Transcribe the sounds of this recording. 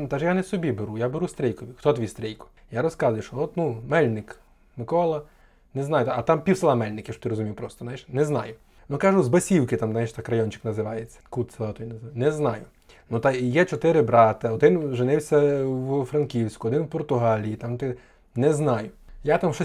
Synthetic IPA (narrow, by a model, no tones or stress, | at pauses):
t̪aʒjanɛsɔbʲibeɾujabeɾust̪ɾʲɛjkɔʋʲixt̪ɔt̪ʋʲist̪ɾʲɛjkʊ̥jaɾɔskɑzʊjɛʃt͡ʃɔɔt̪numɛlʲnɪk | mɪkɔlˠɐ | nɛznɑjʊt̪ɐt̪ɑmpʲiwsɐlˠɑmɛlʲnɪkʲɪʃɔt̪ɪɾɔzʊmʲijwpɾɔst̪ɔznajʃnɛznɑjʊ | nukaʒʊzbɐsʲiwkɪt̪amznajʃt̪ɑkrɐjɔnʲt͡ʃɪ̥knɐzɪʋɑjet͡sʲːɐ̥kut̪sɐlˠat̪ɔjinɐnɛznɑjʊ | nut̪ajɛt͡ʃɔt̪ɪɾɪbɾɑt̪ɐɔd̪ɪnʒɪnɪwsʲɐwfɾɐnkʲiwsʲkʊɔd̪ɪnwpɔrt̪ʊɦɑlʲijit̪ɑmt̪ɪ | nɛznɑjʊjat̪amʃɔ